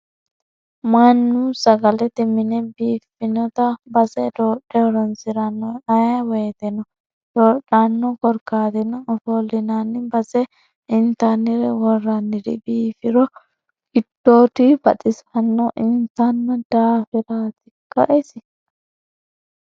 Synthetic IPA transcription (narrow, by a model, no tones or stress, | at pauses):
manːusɐɡɐlɛt̪ːɪmɪnɛbiːfɪnɔt̪ɐbɐsɛd̪oːᶑɛwɔɾɐnsɪɾɐnːɔɐjaweːt̪ɛnɔ | d̪̥oːᶑanːɔkɔɾkaːt̪ɛnɔɔfoːlːɪnanːɪbɐsɛ | ɪnt̪anːɪɾɛwɔrːɐnːɪɾɪ̰biːfɪɾɔ | ɡɪd̪ːoːt̪ibɐtɪsɐnːɔʔɪnt̪anːɐd̪̥aːfɪɾaːt̪ɪkːɐʔɛsɪ